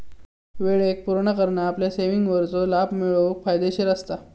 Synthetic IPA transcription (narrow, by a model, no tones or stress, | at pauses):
ʋeɭek̚puɾɳakəɾɳaːpljaseʋiŋɡʋəɾt͡solabmiɭoʋkfajd̪eɕiɾəst̪a